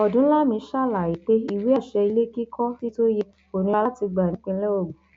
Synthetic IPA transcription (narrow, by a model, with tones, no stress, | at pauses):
ɔ˨dũ˨˦la˦mĩ˧˦ʃa˦˨la˨i˨k͡pe˦i˦˨wi˨˦a˦˨ʃɛ˧i˧le˦ki˦kʰɔ˦ti˦to˦jɛ˧ | o˨nĩ˧a˧la˦ti˧ɡ͡bã˨˦k͡pĩ˧˦lɛ˦o˦˨ɡ͡bũ˨